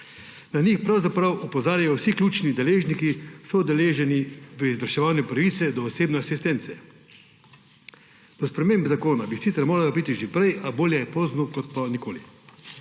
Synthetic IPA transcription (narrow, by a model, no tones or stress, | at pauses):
nanixpɾawzapɾawʔɔpɔzaːɾjajɔwsiklʲuːt͡ʃnid̪ɛleːʒnikisɔud̪ɛleːʒɛniʋəizʋəɾʃɛʋaːnjupɾaʋiːt̪sɛd̪ɔːseːbnɛasist̪ɛnt̪sɛ | d̪̥ɔspɾɛmeːmbzakoːnabisiːt̪ɛɾmoːɾalabiːt̪iʒepɾɛjʔaboːljɛjɛpoːznɔkɔt̪panikoːli